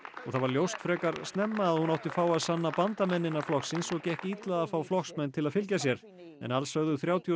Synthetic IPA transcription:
ɔɣθaðvaɾljowst̪fɾɛːkaɾst̪nɛmːaːðhunawht̪ɪfaːwaðsanːapant̪amɛnːɪnaɾflɔxsɪnsɔcɛhcɪit̪laðafaːwflɔxsmɛnːt̪ʰɪlaðfɪlcasjɛɾ̥ | ɛ̰nalsœɣðʏθɾjaːwt̪ʰj

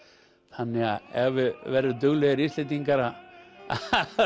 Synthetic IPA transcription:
θanːɛɣaɛvʏvɛɾðʏt̪̬ʏɣlɛɣɪɾist̪let̪iŋkaɾaː

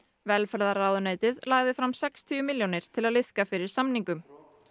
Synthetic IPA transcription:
vɛlfɛɾðaraːwðʏneːjt̪ɪðlaːɣðɪfɾamsɛkst̪ʰiʏmɪljonɪɾ̥t̪ʰɪlaðlɪð̥kafɪɾɪɾ̥samniŋkʏm

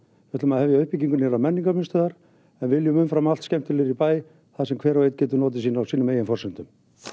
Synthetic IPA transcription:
vɛt̪lʏmaðhɛvjaœhpiciŋkʏnɛɾamɛnːiŋkamʏnst̪ʏðaɾ | ɛnvɪɪljʏmʏnfɾamalt̪scɛm̥t̪ɪlɪɾipaːj | θaðsɛmkʰvɛːɾawejt̪̚cɛːt̪ʏnɔːt̪̬ɪsiːnawsiːnʏmeːjɛnfɔrsɛn̥t̪ʏm

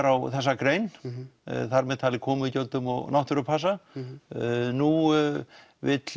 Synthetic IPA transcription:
ɾawθɛsːakɾeːjn | θaɾmɛðt̪ʰaːlɪkʰɔːmʏicowlt̪ʏmɔ̰ɣnawht̪ʏɾʏpʰas̬a | nu | vɪt̪l

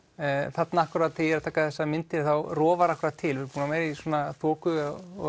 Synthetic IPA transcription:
θat̪naahkʏɾaðat̪ʰɪlɛɾat̪ʰaːkaðθɛsːamɪnt̪ɪɾθawrɔːvaɾahkɾaðt̪ʰɪlvɪɾpuːnamajɾiswɔːnaθɔːkʏɔ

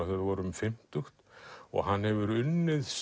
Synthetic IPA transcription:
aθɛðvɔɾʏmfɪm̥t̪ʏxt̪ɔ̰ɣɦanːhɛvʏɾʏnːɪðs

